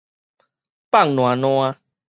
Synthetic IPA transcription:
pa˥˨ŋnw̃ã˨nw̃a˧

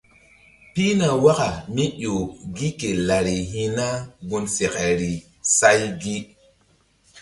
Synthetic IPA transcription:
pi˦na˨wa˦ka˨mi˦ɗo˨ɡi˦ke˨la˨ɾi˨ɦi˦na˦bu˧nse˨kɛ˨ɾi˨ | sa˦jɡi˦

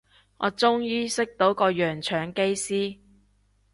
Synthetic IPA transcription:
ŋɔ̰ː˨˧t͡sʊ˥ŋjiː˥sɪ˥k̚t̪o˨˥wkɔː˧jœː˨˩ŋt͡ʃʰœː˨˧ŋke˥jsiː˥

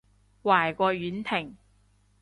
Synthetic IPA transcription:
waː˨˩jkʷɔː˧ɥyː˨˥nt̪ʰɪ˨˩ŋ

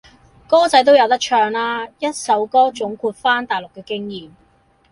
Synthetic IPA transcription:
kɔː˥t͡sɐ˨˥jt̪o˥wjɐ˨˧wt̪ɐ˥k̚t͡ʃʰœː˧ŋlaː˥jɐ˥t̚sɐ˨˥wkɔː˥t͡sʊ˨˥ŋkʰuː˧t̚faː˥nt̪aː˨˩jlʊ˨kːɛː˧kɪ˥ŋjiː˨m

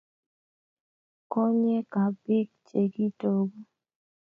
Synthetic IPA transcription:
kɔ˦ɲɛ˦ka˨bɪ˦kt͡ʃe˨ɡi˦to˦ɡo˦

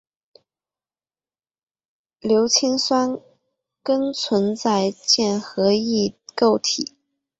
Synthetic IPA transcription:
ljo˧˥ʊt͡ɕʰi˥ŋswa˥n | kə˥ŋt͡sʰwə˧˥nt͡sa˥˧ɪt͡ɕjɛ˥˩nxɤ˧˥i˥˩ko˥˩ʊt̪ʰḭ˨˩˦

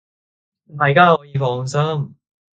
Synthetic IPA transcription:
t̪aː˨jkaː˥hɔː˨˥jiː˨˧fɔː˨˩ŋsɐ˥m

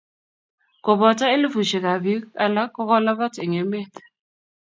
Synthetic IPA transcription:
kʊ˨bɔ˨tʼa˦e˦lɪ˦fu˨ʃɛ˨k̬a˨bi˦a˦la˦kɔ˦kɔ˦la˦βa˦tʰɪ˨ŋe˨˦meː˦tʰɛ̥˨

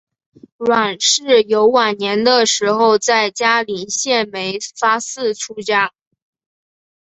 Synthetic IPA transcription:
ɻwa˨˩nʂɻ̩˥˩jo˧˥ʊwa˨˩nnjɛ˧˥nd̪ə˧ʂɻ̩˧˥xo˥˧ʊt͡sa˥˩ɪt͡ɕja˥li˨˩ɕjɛ˥˩nme˧˥ɪfa˥sɹ̩˥˩ʈ͡ʂʰu˥t͡ɕja˥

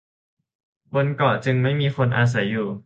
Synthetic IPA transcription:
bo˧nkɔː˨˩t͡ɕɯ˧ŋma˥˩jmiː˧xo˧nʔaː˧s̬a˩˦jːuː˨˩

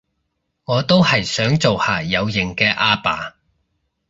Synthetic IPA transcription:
ŋɔː˨˧t̪o˥whɐ˨jsœː˨˥ŋt͡so˨whaː˨˩jɐ˨˧wjɪ˨˩ŋkɛː˧ʔaː˧pa̰ː˨˧

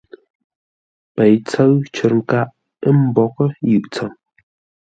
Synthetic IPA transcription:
pə˨jt͡sə˦ɰt͡ʃə˨ɾŋ̩˨ka˦ʔ | ə˦m̩˦bɔ˨kə˦jʉ˨ʔt͡sə˨ŋ

